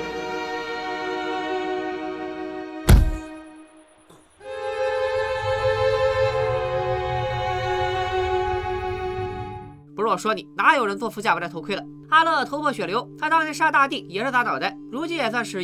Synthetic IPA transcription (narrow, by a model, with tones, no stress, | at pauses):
pu˧˥ɻwɔ˥˩ʂwɔ˥ni˨˩na˧˥˧jo˨˩ʊɻə˧˥nt͡swɔ˥˧fu˧˥t͡ɕja˥˩˧t̪ʰʊkʰwe˥ɪlə˨˩ | a˥lɤ˥˩t̪ʰo˧˥ʊpʰwɔ˥˩ɕɥɛ˨˩ljo˧˥ʊt̪ʰa˥ɑ˥˧˥ʂa˥˧t̪a˥˧t̪i˥˩jɛ˨˩ʂɻ̩˥˩t̪a˧˥nɑ˨˩a˥˩ɪɻu˧˥t͡ɕi˥njɛ˨˩swa˥˧nʂɻ̩˧˥